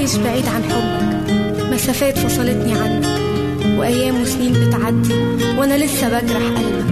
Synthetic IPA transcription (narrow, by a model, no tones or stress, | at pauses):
jeʃbaʕiːd̪ʕanħobːæk | mæsæfæːt̪fɑsˤɑlet̪niʕanːæk | weʔæjːæːmwesniːnbet̪ʕad̪ːɪl | wʔænælesːæbækɾˤɑħʔælmæ